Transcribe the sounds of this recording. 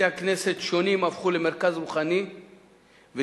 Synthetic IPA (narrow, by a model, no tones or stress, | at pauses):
eakne̞se̞t̪ʃo̞nimafχuleme̞ʁkazʁuχani | ve